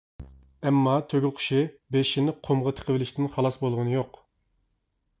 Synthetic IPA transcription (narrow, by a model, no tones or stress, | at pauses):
ɛmːɑt̪ʰøɡʲɪlqʰʊ̥ʃɪbeʃinɪqʰomʁɑt̪ʰə̥qʰəvɪlɪʃt̪ɪnχɑlˠɑsbolˠʁənɨjoq